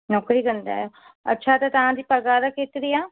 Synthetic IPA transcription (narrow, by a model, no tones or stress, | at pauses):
nɔːkɾiːɡənd̪a̰ːjoː | ə̰tːʃʰaːt̪aːt̪əãːd̪iːpəɡaːd̪akɪt̪ɾiːaː